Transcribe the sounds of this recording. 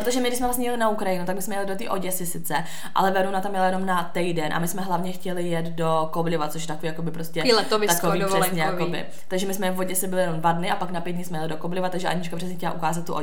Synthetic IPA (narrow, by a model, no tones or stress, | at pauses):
pɾot̪oʒɛmɪɡdɪsmɛvlas̬ɲɛjɛlɪnaukɾajɪnut̪aɡ̚bɪsmɛjɛlɪdot̪ḭːʔo̞̰ɟɛsɪsɪt͡sɛ | ʔa̰lɛvɛɾonat̪amjɛlajɛno̞mnat̪ɛjdɛnʔa̰mɪsmɛɦlavɲɛxcɛlɪjɛt̪do̞koblɪvat͡soʃjɛt̪akoviːjakobɪpɾoscɛlovɪt̪akoviːrɛsɲɛjakobɪ̰ | t̪aɡʒɛmɪsmɛvvoɟɛsɪbɪlɪjɛnomdvadnɪʔapaknapjɛt̪dɲɪsmɛjɛlɪdokoblɪvat̪aɡʒɛʔa̰ɲit͡ʃkapr̥ɛs̬ɲɛxkcɛla̰ʔukaːzat̪̚ːuʔo